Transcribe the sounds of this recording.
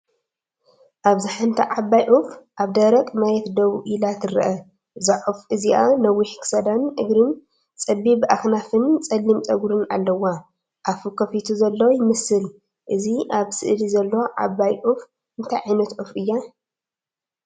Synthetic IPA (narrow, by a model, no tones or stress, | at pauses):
ʔaβzɨħant̪ʰaʕabːajʔufʔaβd̪ɐɾɐkʼmajɛt̪d̪ɐβʔilat̪ɨɾɨʔɐ | zaʕufʔɨziʔanɐwːiħkʰɨ̥sɐd̪anʔɨɡɾɨn | t͡sʼɐbibʔaxnafɨnt͡sʼɐlːimt͡sʼɐɡuɾɨnalːɐwa | ʔafukʰɐfit̪ʰuzɐlːɐwjɪmɨsɨl | ʔɨziʔaβsɨʔd̪izɐlːoʕa̰bːajʔuf | ɨnt̪ʰajʕajnɐt̪ʔufɨjːa